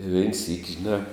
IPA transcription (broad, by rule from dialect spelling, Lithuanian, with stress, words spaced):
ɪ ʋʲɛɪn sʲiːkʲ ʒʲɪˈnɑː